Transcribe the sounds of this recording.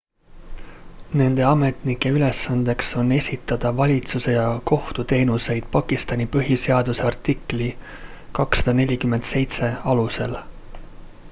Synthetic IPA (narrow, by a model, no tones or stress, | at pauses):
ne̞nd̪̥e̞ɑme̞t̪ˑnikːˑe̞yle̞sːɑnd̪̥e̞kso̞nːe̞sʲit̪ːˑɑd̪̥ɑvɑlʲit̪suse̞jɑko̞ht̪ut̪e̞ːnuse̞jd̪̥̚pɑkːist̪ɑnʲipɤ̞ɦise̞ɑd̪use̞ɑrt̪ikːˑli | kɑksɑd̪̥ɑne̞lʲikymːend̪̥se̞jt̪se̞ɑluse̞l